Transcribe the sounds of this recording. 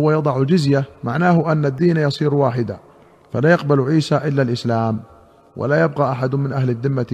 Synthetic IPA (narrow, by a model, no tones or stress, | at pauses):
wajɑd̪ˤɑʕʊld͡ʒʊzjamaʕnaːɦʊʔanːad̪ːiːnjɑsˤiːɾwaːħɪd̪a̰ | falaːjɑqbalʕiːsaʔɪlːalʔɪslaːm | wʔɪ̰lajab̚qɑːʔaħad̪ʊmɪnʔahlad̪ːɪmːa